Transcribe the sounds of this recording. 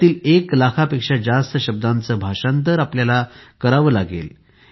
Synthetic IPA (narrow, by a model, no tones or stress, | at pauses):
t̪iːleklakʰapekʂad͡zast̪əɕəb̚d̪ant͡səːbʱaʂant̪əɾapljalakəɾaʋəːlaɡḛl